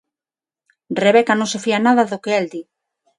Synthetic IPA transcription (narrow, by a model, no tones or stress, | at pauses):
reβɛkanõŋsefianaðaðokeɛld̪i